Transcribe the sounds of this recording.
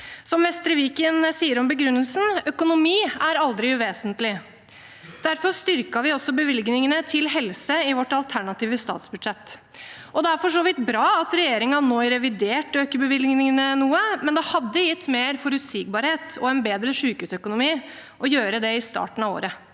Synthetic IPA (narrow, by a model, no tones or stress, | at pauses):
sɔmʋɛst̪ɾəʋiːkənsiːəɾɔmbəɡɾʉnːəlsən̩œkʊnʊmiːæɾɑld̪ɾɪʉʋeːsənt̪lɪ | d̪̥æɾfɔɾst̪ʏɾkɑʋɪɔsːɔbəʋɪlɡnɪŋənət̪ʰɪlɦɛlsəɪʋɔʈːɑlt̪ʰæɳɑt̪iːʋəst̪ɑ̰ːt̪sbʉd̪ʂɛt̪ː | ɔd̪ɛæɾfɔʂoːʋɪt̪bɾɑːɑt̪ɾɛjeːɾɪŋɑnoɪɾɛʋɪd̪eːʈøːkəbəʋɪlɡŋnɪŋənənuːəmɛnd̪ɛhɑd̪ːəjɪt̪ːmeːɾfɔɾʉt̪sɪːɡ̚bɑːɾheːt̪ɔ̰ɛnbeːd̪ɾəʂʉːkʉːsœkʊnʊmiːʔɔjøːɾəd̪ɛɪst̪ɑ̰ːʈən̩ɑʋo̰ːɾə